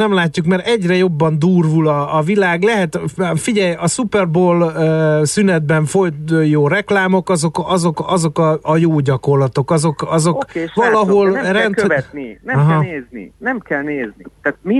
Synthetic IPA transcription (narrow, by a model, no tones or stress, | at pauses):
nɛmlaːcːukmɛɾɛɟrɛjo̞bːɒnd̪uːrvulɒːvilaːɡlɛɦɛt̪fiɟɛjɒsupɛrboːløsynɛd̪̚bɛɱfo̞jt̪ːjoːrɛklaːmo̞kɒzo̞kɒzo̞kɒzo̞kɒɒjoːɟɒko̞rlɒt̪o̞kɒzo̞kɒzo̞kvɒlɒɦo̞lrɛntɛtninɛɦeːznḭnɛmkɛlneːznit̪aːt̪mi